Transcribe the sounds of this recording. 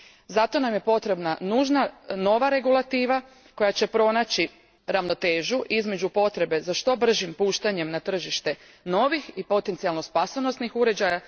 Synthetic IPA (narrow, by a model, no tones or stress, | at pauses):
zat̪o̞namje̞po̞t̪ɾe̞bnanuʒnano̞ʋaɾe̞ɡulˠat̪iːʋa | ko̞jat͡ɕe̞pɾo̞nat͡ɕi | ɾaʋno̞t̪eːʒuʔizme̞d͡ʑupo̞t̪ɾe̞be̞zaʃt̪o̞br̩ʒimpuːʃt̪aɲe̞mnat̪r̩ʒiʃt̪e̞ | no̞ʋixipo̞t̪ent̪sialno̞spasonost̪nixuɾe̞d͡ʑaja